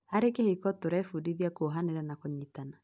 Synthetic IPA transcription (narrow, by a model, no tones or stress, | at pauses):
haɾekehekɔtoɾɛfudiðiakoɦaneɾanakoɲitana